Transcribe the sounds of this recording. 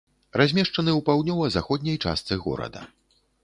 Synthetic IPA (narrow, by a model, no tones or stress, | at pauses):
razʲmʲɛʂt͡ʂɐnɨupawd̪ʲnʲɔvɐzaxɔd̪ʲnʲɐjt͡ʂa̰st̪sɨɣɔ̰ɾɐ̰d̪ɐ̰